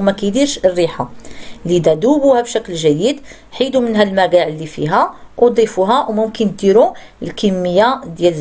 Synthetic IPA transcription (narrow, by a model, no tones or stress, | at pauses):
mækæjd̪iɾʃərːiħalid̪æd̪ubuhæbʃæklʒæjəd̪ | ħid̪umənɦælmæɾɡæʕlːifḭɦæʔd̪ˤifuɦæwmʊmkəniɾu | əlkəmːəjːad̪jælz